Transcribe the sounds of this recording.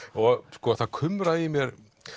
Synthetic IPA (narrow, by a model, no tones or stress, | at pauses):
ɔɣskɔːθaðkʰʏmɾaimjɛɾ̥